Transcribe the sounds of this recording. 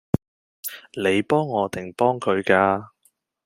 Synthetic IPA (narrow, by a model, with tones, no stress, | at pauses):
ne˨˧jpɔː˥ŋːɔː˨˧t̪ɪ˨˩ŋpɔː˥ŋkʰɵ˨˧ɥkaː˧